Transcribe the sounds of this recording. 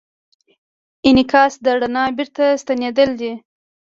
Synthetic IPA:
ɪnɪkɑsd̪əɽanɑbiɾt̪ast̪aned̪əld̪i

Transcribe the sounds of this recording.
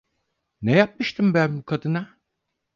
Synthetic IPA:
nejap̚mɯʃt̪ʰɯmbænbukʰad̪ɯna

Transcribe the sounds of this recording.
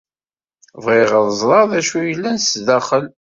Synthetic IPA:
vʁɪʁəðˤəzˤɾˤɑðæʃujəlːænsðæχəl

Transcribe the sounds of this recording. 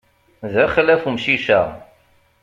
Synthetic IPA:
ðæχəlæfumʃiʃæ

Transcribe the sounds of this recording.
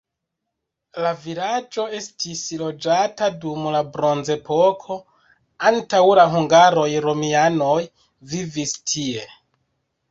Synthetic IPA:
lavilad͡ʒo̞e̞stislo̞d͡ʒatadumlabɾo̞nze̞po̞kʰo̞ | antawlaɦuŋɡaɾo̞jɾo̞miano̞j | vivistʰie̞

